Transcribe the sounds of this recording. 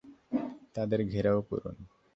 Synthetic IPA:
t̪ad̪eɾɡʱeɾaoko̰ɾṵn

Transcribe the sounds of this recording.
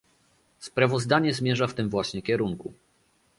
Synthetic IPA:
spɾavɔzd̪aɲɛzmʲjɛʐaft̪ɘmvwaɕɲɛkʲɛɾuŋku

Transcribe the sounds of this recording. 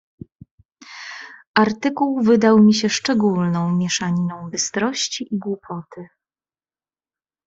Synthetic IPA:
ʔaɾt̪ɘkuwvɘd̪awmʲiɕɛʂt͡ʂɛɡulnɔ̃w̃mʲjɛʂaɲinɔ̃w̃bɘst̪ɾɔɕt͡ɕiʔiɡwupʰɔt̪ʰɘ

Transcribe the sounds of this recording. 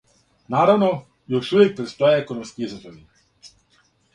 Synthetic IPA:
naɾawnɔ | jɔʃuʋjɛk̚pɾɛt̪st̪ɔjɛɛkɔnɔmskiizɔzɔʋi

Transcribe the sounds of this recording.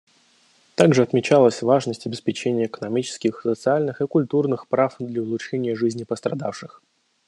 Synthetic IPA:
t̪aɡʐɨɐt̪mʲɪt͡ɕalˠəsʲvaʐnəsʲtʲɐbʲɪspʲɪt͡ɕenʲɪjəːkənɐmʲit͡ɕɪ̥skʲɪxsət̪sɨalʲnɨxɨkʊlʲt̪urnɨxpɾafd̪lʲəʊlˠʊtʂɛnʲɪjəʐɨzʲnʲɪpəst̪ɾɐd̪afʂɨx

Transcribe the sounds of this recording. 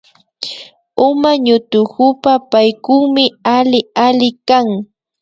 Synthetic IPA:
ʊmaɲʊt̪ʊkʊpapajkuŋmɪalɪalɪkaŋ

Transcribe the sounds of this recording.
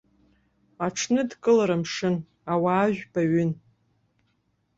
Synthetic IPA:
aʈ͡ʂʰnɨdkʼɨlaɾamʂɨn | awaːʒʷᶣbʼaɥʏn

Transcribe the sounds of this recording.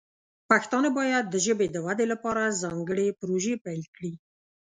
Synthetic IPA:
paxt̪ɑnebɑjad̪ːəʒəbed̪əwad̪elapɑɾazɑŋɡəɽepɾoʒepalkɽi

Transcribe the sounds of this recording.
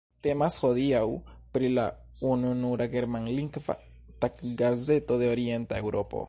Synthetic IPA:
t̪emasxoðiaw | pɾila̰ | ununuɾaɡeɾmanliŋkva̰ | t̪akɡazet̪oðeoɾjent̪aewɾopo̰

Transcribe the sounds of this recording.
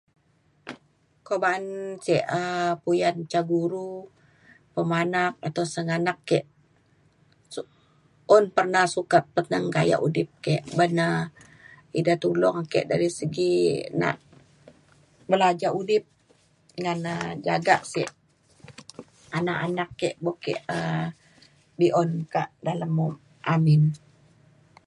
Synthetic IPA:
kobaːnsiɛʔəpujant͡ʃaɡuɾu | pəmanak̚at̪awsəŋanakːɛʔ | s | ɔnpərnahsukat̪̚pət̪nəŋkaja̰ʔudɪp̚kɛʔbənə | idat̪ulɔŋkɛ̰ʔdaɾisəɡina̰ʔ | bəlad͡ʒaudɪp̚ | ŋanəd͡ʒaɡa̰ʔsḭʔ | anaʔanakːɛʔbokɛʔə | biʔɔnkaʔdalamːɔm | amɪn

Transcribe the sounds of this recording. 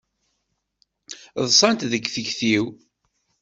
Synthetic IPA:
ðˤsˤɑnt̪ðəɡθəçθiw

